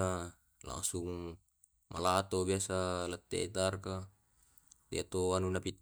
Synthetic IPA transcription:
a | la̰ŋsuŋ | mʔa̰lat̪obiasalat̪ːḛʔit̪arka | d̪ḭat̪oanunapit̪

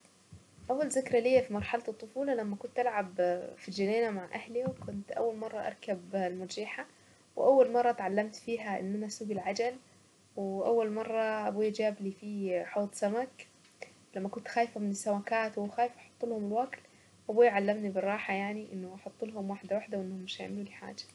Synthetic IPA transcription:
ʔawːalzɪkɾˤalijːafimɑɾˤħɑlt̪ɨt̪ˤːʊfuːlɑlamːakʊnt̪ʔalʕabfild͡ʒaneːnamaʕʔahliwkʊnt̪ʔa̰wːalmɑrˤːɑʔɑ̰ɾˤkablmʊd͡ʒiːħa | wʔawːalmɑrˤːɑt̪ʕalːamt̪fiːɦaʔɪ̰nːʔanasuːɡɪlʕad͡ʒal | wɪʔawːalmɑrˤːɑʔabuːjad͡ʒaːblifiħoːt̪ˤsamak | lamːakʊnt̪xaːjfamɪnɪsːawakaːt̪wxaːjɪfʔɑħʊ̥t̪ˤːulhʊmɪlwakl | ʔabuːjʕalːamnibɪrˤːɑːħajaʕniʔɪnːʊʔɑħʊt̪ˤːɪlɦʊmwaːħd̪awaħd̪awʔɪnːhʊmːɪʃaja̰ʕmluːliħa̰ːd͡ʒḁ

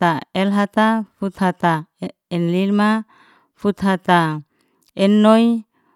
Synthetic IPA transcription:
t̪aɛlɦat̪afut̪hat̪a | ɛnlilma | fut̪ɦat̪a | ɛnːoj

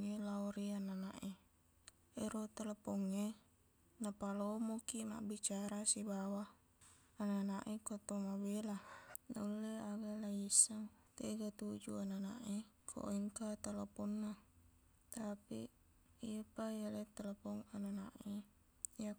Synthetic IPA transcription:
nilaoɾiananaʔe | eɾot̪alapoŋːe | napalomokima̰ʔbit͡ʃaɾasibawaː | nanaʔekot̪omabelanaulːeaɡalaisːaŋ | t̪eɡat̪ud͡ʒṵananaʔekʰo̰ʔeŋkat̪aloponːa | t̪apḭ | iapajalet̪alapoŋananaʔe | ja

